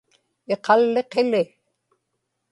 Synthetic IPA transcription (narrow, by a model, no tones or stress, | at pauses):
eqɑlːeqelɪ